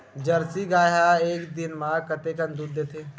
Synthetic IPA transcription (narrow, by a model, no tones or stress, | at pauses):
d͡ʒəɾsiɡaːjɦaeːkd̪ɪnmãkət̪ekənd̪uːɾd̪eːt̪ʰeː